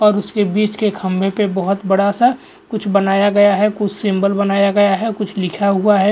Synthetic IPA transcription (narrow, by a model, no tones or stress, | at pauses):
ɔːɾʊskebiːt͡ʃkekʰɐ̃mbʱepebɐɦʊt̪bɐɽasa | kʊt͡ʃʰbɐnaːjaɡɐjaɦɛkʊt͡ʃʰsɪ̃mbəlbɐnaːjaɡɐjaɦɛkʊt͡ʃʰlɪkʰaɦuaɦɛː